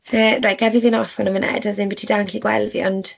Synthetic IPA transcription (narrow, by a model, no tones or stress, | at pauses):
əːrajʔɡ̥ɛvivinɔfɔnəmənḛdazɪnbɪtʰidaŋɬiɡwɛ̰lˠvḭɔnd̥